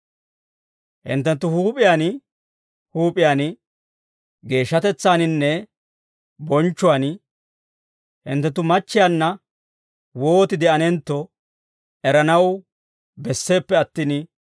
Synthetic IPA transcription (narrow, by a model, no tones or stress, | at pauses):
hɪ̰nt̪ːɛnt̪ːʊhuːpʼɪjaːn | huːpʼɪjaːn | ɡe̞ːʃːɐt̪ɛt͡sːaːnɪnːɛ | bɔnt͡ʃːʊwan | hɪ̰nt̪ːɛnt̪ːʊmɐt͡ʃːɪjaːnːɐ | wo̞ːt̪ɪd̪ɛɐnɛnt̪ːɔ | ʔɛɾɐnɐw | bɛsːe̞ːpːɛɐt̪ːiːn